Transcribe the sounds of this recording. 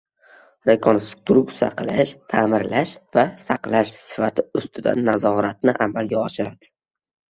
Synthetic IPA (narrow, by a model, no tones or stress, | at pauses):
ɾajkʰɒnst̪ʰɾʊksa̰qʰɨlˠɪʃt̪ʰaːmɪɾlaʃvasaqlaʃsɪ̥fat̪ʰɪʊst̪ʰɪd̪a̰nːazɒɾat̪̚nɪʔamalɡʲaɒʃɪɾad̪ɪ